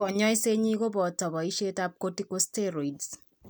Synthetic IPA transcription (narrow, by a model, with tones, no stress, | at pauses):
ɔ˨ɲɔ˦jse˦ɲi˦ko˦bɔ˨tɔ˨bɔ˨i˦ʃe˦ta˦p̚ko˦ti˦ko˦ste˦ɾo˨i˨ds